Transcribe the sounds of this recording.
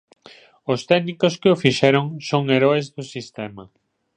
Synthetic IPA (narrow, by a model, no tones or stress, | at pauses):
ʊst̪ɛɣnikoskɪofiʃɛɾoŋsoŋeɾɔezðʊsist̪ɛmɐ